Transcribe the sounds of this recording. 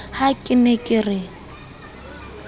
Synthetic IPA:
hakʼɪnɛkʼɪrɪ

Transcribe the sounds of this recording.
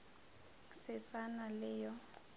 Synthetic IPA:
sɛsanalɛːjɔ

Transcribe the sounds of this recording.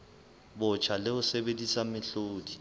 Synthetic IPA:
bʊt͡ʃʰalɪʊsebedisamɪɬoːdi

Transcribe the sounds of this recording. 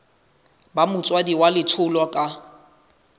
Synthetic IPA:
bamʊt͡sʼwadiwalɪtʰʊlɔkʼa

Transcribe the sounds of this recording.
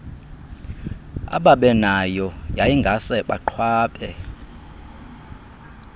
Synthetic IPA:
a̰ɓaɓɛnajɔjajiŋɡʱasɛɓaǃʰwaːɓʼɛ

